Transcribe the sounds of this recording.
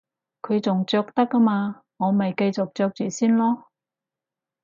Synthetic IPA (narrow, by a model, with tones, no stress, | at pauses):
kʰɵ˨˧ɥt͡sʊ˨ŋt͡ʃœː˧k̚t̪ɐ˥kːɐ˥maː˧ | ŋɔː˨˧mɐ˨jkɐ˧jt͡sʊ˨k̚t͡ʃœː˧k̚t͡ʃyː˨siː˥nlɔː˥